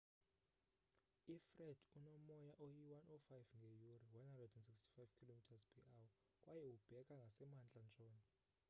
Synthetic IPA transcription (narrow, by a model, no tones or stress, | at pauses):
ifrɛdunɔmɔjaʔojiwanʔɔfajvŋɡʱejuriwanhandrɛdɛnsikstʰi̥fajv̥kʰilomitʰazpʰiʔaw | kʼwajɛub̥ʱɛkʼaŋɡʱasɛmand͡ɮʼant͡ʃʼɔːnɛ